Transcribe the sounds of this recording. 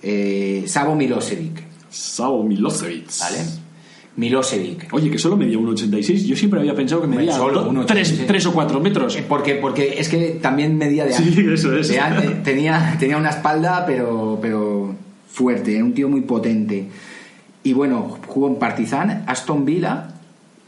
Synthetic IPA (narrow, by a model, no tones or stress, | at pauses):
esaβomiloseβik | saβomiloseβḭba̰lḛ | milo̞seβḭko̞ʝe̞ke̞so̞lomeðiaunot͡ʃe̞nt̪ajsejzʝo̞sjempɾeaβiape̞nsaðokememðiasolounooɾesset̪ɾes̬okwat̪ɾomet̪ɾospo̞ɾke̞po̞ɾke̞ʔe̞ske̞t̪ambje̞nme̞ðiaðeaesoeseant̪et̪e̞niat̪e̞niaunaespald̪ape̞ɾo̞pe̞ɾo̞ | fwe̞ɾt̪e̞eɾaunt̪io̞mujpo̞t̪e̞nt̪e̞ | iβwe̞no̞xuɣompaɾt̪iθanast̪o̞mbila̰